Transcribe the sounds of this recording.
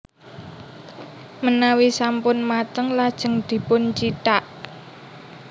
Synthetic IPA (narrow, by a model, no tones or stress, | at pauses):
mənawisampʊnmat̪əŋlad̥ʒ̥ə̤ŋd̪̥i̤pʊnt͡ʃiʈaʔ